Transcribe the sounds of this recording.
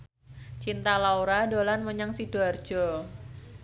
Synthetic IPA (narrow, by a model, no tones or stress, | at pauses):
t͡ʃint̪alauɾadolanməɲaŋsid̥ar̥d͡ʒ̥ɔ